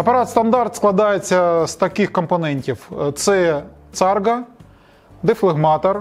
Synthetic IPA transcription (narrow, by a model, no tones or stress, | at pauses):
ɐpɐɾɑt̪st̪ɐnd̪ɑrt̪sklˠɐd̪ɑjet͡sʲːɐst̪ɐkɪxkɔmpɐnɛnʲtʲiwt̪sɛt̪sɑrɡɐ | d̪eflˠɪɣmɑt̪ɔr